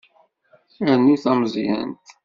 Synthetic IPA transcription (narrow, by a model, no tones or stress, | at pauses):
ənːuθæmzjæ̰nt̪